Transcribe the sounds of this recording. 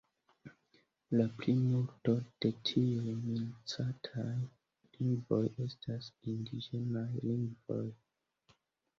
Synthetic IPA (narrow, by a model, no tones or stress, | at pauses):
laplimulto̞d̥e̞tʰiujmilt͡satʰaj | liŋɡvo̞je̞stʰasindid͡ʒenajliŋɡvo̞̰j